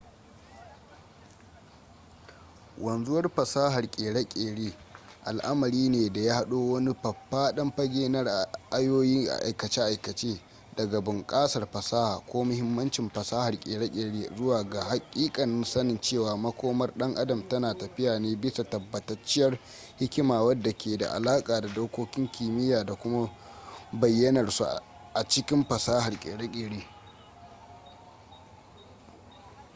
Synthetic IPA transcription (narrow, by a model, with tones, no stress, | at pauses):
wɐ˨nzʊ˦wɐ˦rɸɐ˨saː˦hɐ˨rkʲʼeː˨ɽa˦kʲʼeː˨ɽeː˦ʔa̰˨lʔa˦mɐ˨ɾiː˦neː˨da˨jaː˦ha˦ɗoː˦wɐ˦ni˦ɸɐ˨pːaː˦ɗɐ˦mɸɐ˦ɡʲeː˦nɐ˦rʔa˦joː˦jiː˦ŋʔa̰˨ʔa̰˨jkɐ˨t͡ʃe˦ʔa˨jkɐ˨t͡ʃeː˦ | dɐ˨ɡa˨bʊ˨ŋkʼaː˦sɐ˨rɸɐ˨saː˦haː˨kʷoː˦mʊ˦hɪ˦mːɐ˦nt͡ʃɪ˨mɸɐ˨saː˦hɐ˨rkʲʼḛː˨ɽa˦kʲʼeː˨ɽeː˦zʊ˦waː˨ɡaː˨ha˨kʲʼiː˦kʼɐ˨nɪ˦nsɐ˦nɪ˨nt͡ʃeː˦˨waː˨mɐ˦kʷoː˦mɐ˦rɗɐ˦ŋʔa˦dɐ˨mtɐ˦naː˨tɐ˨ɸɪ˦jaː˨neː˦bɪ˦sa˨tɐ˨bːɐ˨tɐ˦t͡ʃːɪ˦jɐ˦r | hɪ˦kʲɪ˦maː˨wɐ˦dːa˨kʲʰeː˨da̰˨ʔa̰˨laː˦kʼaː˨da˨doː˦kʷoː˦kʲɪ˦ŋkʲiː˨mɪ˦jaː˨da˨kʷʊ˦ma˦ | bɐ˨jːɐ˦nɐ˨rsṵ˨ | ʔa˨t͡ʃɪ˦kʲɪ˦mɸɐ˨saː˦ha˨rkʲʼḛː˨ɽa˦kʲʼeː˨ɽeː˦